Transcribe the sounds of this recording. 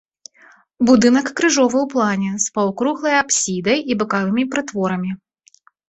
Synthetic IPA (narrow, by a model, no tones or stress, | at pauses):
bud̪ɨnɐkːɾɨʐɔvɨwplˠanʲɛspɐwkɾuɣlˠɐjapsʲid̪ɐjibɨkavɨmʲipɾɨt̪vɔɾɐmʲi